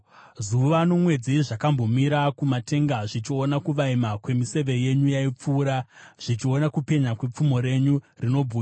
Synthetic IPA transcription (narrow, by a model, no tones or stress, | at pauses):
zuʋano̞mwe̞d͡ziʐakambo̞miɾakumate̞ŋɡaʐit͡ʃionakuʋaimakwe̞mise̞ʋe̞je̞ɲujaip͡fuːɾaʐ̥it͡ʃio̞nakupe̞ɲakwe̞p͡fumo̞ɾe̞ɲurino̞bʱuːa